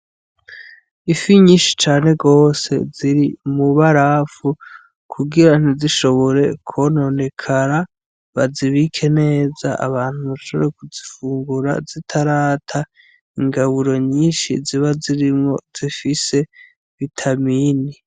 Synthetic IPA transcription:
ifiɲiːnʃi̥t͡ʃaːne̞ɡo̞ːse̞̰ziɾimuβaɾafu | kʰuɡiɾan̥iziʃo̞βo̞ɾe̞kʰono̞ne̞kʰaɾa | βaziβikʰe̞ne̞ːza̰ʔa̰βaːn̥uβaʃoβeɾekuzifuːŋɡuɾa̰zitʰaɾaːtʰa | iŋɡaβuɾo̞ɲiːnʃḭziβaziɾimŋo̞z̥ifise̞ | βitʰamiːni

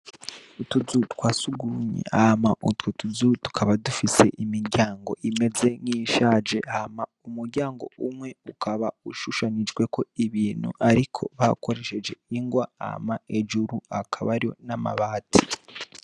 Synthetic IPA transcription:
utuzutkwaːsuɡuɲḛhamaʔutwotuzutu̥kʰaβadufise̞̰ʔimiɾɟaːŋɡo̞̰ʔime̞ze̞ŋiʃad͡ʒe̞amaumuɾɟaːŋɡo̞̰umŋwe̞ukʰaβauʃuʃanid͡ʒɡwe̞ko̞iβiːn̥hṵʔaɾikʰo̞̰βako̞ɾe̞ʃe̞d͡ʒe̞iŋɡwaa̰mae̞d͡ʒuɾuakʰaβaɾijo̰nama̰βaːtʰi

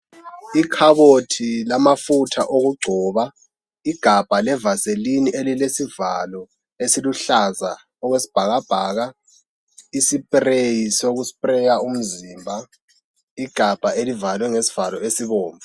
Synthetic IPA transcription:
ikʰaβotʰilamafutʰaʔoɣuɡ͡ǀʱɔːβa | iɡ̥ʱab̥ʱalɛvaseliniʔelilesivalɔ | esiluɬaza | ɔwesi̥b̥ʱaɣab̥ʱaːɣa | isipʼrejisoɣuspʼrɛjaum̩ziːmbʱa | iɡ̥ʱab̥ʱaʔelivalwɛŋesi̥v̥alɔesiβoːɱva

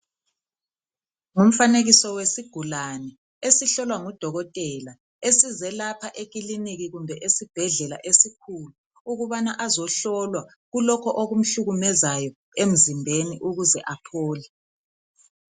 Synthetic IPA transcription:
ŋum̩faneɣisɔwesiɡ̥ʱulanɛ | esiɬɔlwaŋɔd̥ʱɔɣɔtʼɛla | esizɛlapʰaʔeɣ̬ʼiliniɣiɣumbʱɛʔesib̥ʱɛɮɛla̰ʔesikʰulu | uɣuβanaʔazɔɬɔlwa | ɣulɔkʰɔʔoɣum̩ɬuɣumɛzajɔ | em̩zimbʱeniʔuɣuzɛʔapʰɔːlɛ

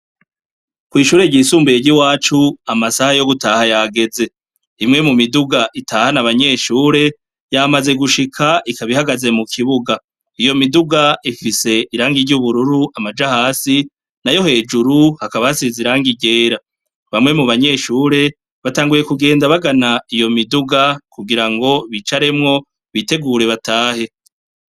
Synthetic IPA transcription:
kwiːʃuːɾe̞ɟiːsuːmbejeɾɟiwaːt͡ʃuamasahajo̞ɡutaːhajaɡe̞ze̞ | imŋe̞mumiduɡaʔitaːhanaβaɲe̞ʃuːɾe̞ | jamaze̞ɡuʃikʰaʔikaβihaɡaze̞mukʰiβuɡa | ijo̞miduɡaifise̞ʔiɾaːŋɡiɾɟuβuɾuɾuʔamad͡ʒahaːsi | najo̞he̞ːd͡ʒuɾuhakaβahasiziɾaːŋɡiɟe̞ːɾa | βamŋe̞muβaɲe̞ːʃuːɾe̞ | βataːŋɡuje̞kuɡe̞ːndaβaɡanaijo̞miduɡakuɡiɾaŋɡo̞βit͡ʃaɾe̞mŋo̞ | βite̞ɡuːɾe̞βatʰaːhe̞

